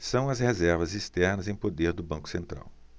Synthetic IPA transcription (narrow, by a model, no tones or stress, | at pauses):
sɐ̃w̃ɐzhezɛɾvɐzist̪ɛɾnɐzẽj̃pod̪eɾd̪ʊbɐ̃ŋkʊ̥sẽnt̪ɾa̰w